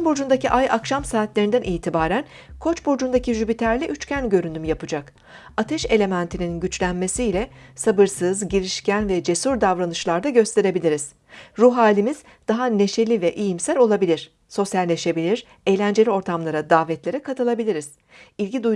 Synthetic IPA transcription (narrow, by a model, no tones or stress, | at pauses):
nbod͡ʒund̪aciʔajʔakʃamsaːt̪lʲe̞ɾind̪ænʔiːt̪ʰibaːɾæn | kʰo̞t͡ʃbod͡ʒund̪aciʒybit̪ʰæɾlʲɛʔyt͡ʃcænɟø̞ɾynymjapɯd͡ʒak | at̪ʰɛʃe̞lʲe̞mænt̪ʰininɟyt͡ʃlʲænme̞siːlʲɛsabɯɾsɯzɟiɾiʃcænvɛd͡ʒe̞suɾd̪avɾanɯʃlˠaɾd̪aɟø̞st̪ʰe̞ɾe̞bilʲiɾiz̥ | ɾuɦaːlʲimiz̥ | d̪̥aɦane̞ʃe̞lʲivɛʔijimsælʲo̞lˠabilʲiɾ̥ | so̞sjalʲnʲe̞ʃe̞bilʲiɾ | e̞jlʲænd͡ʒe̞lʲio̞ɾt̪ʰamlˠaɾad̪aːvɛt̪lʲe̞ɾikʰat̪ɯlˠabilʲiɾiz̥ | ilʲɟid̪u